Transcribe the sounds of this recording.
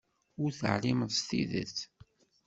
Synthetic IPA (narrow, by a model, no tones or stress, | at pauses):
ʊɾθə̰ʕliməðst̪iðə̰t͡sː